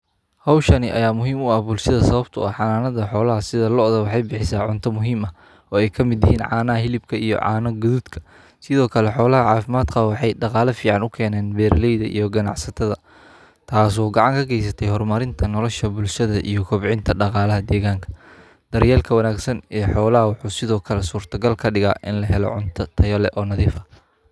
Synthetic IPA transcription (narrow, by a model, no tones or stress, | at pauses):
hɐwʃɐnɪʔɐ̰jaːmʊɦiːmʊɐhbʊlʃɐðɐsɐβɐbt̪ʰʊ̰ɐħɑnaːnɐðɐħɔːlɐɦɐsɪðɐlɔʔðɐwɑħɑjbɪħɪsaːʕʊnt̪ʰɐmʊɦiːmɐ | ɔːɛjkʰɐmɪd̪jɪhiːnʕɑːnɐɐɦɪlɪbkʰɐijɔ̰ʕa̰ːnɐɡʊðuːd̪kʰɐ̥ | sɪðɔːkʰɐlɛħɔːlɐɦɐʕɑːfɪmaːd̪kʰɐwɑħɑjɖɑqɑːlɐfiːʕɑnʊkʰɛːnɛːnbɛːrlɛjðɐʔḭjɔɡɐnɑ̰ʕsɐt̪ʰɐðɐ | t̪ʰaːs̬ɔːɡɐʕɑŋkʰɐɡʰɛjs̬ɐt̪ʰɛjɦɔrmɐɾɪnt̪ʰɐnɔlɔʃɐbʊlʃɐðɐʔḭjɞkʰʊbʕɪnt̪ʰɐɖɑqɑːlɐɦɐd̪ɛːɣaːŋkʰɐ̥ | d̪̥ɐɾjaːlkʰɐwɐnaːɡsɐnɛːħɔːlɐɦɐwɑħuːsɪðɔːkʰɐlɛsuːrt̪ʰɐɡɐlkʰɐɖɪɣa̰ːʔɪnlɐɦɛlɔ̰ʕʊnt̪ʰɐt̪ʰɐjɐlɛʔɔːnɐðiːfɐ̥